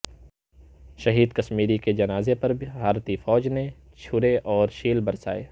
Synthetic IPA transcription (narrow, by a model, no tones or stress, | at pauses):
ʃɐɦiːd̪kɐʃmiːɾiked͡ʒɐnaːzepɐɾbʱibʱaːɾt̪ifɔːd͡ʒne | t͡ʃʰʊɾeʔɔːɾʃiːlbɐɾsa̰ːeː